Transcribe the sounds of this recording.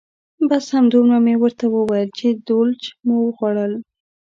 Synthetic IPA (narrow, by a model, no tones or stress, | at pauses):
bashamd̪umnamewəɾt̪awəwajəlt͡ʃed̪olt͡ʃmowəɣwaɽəl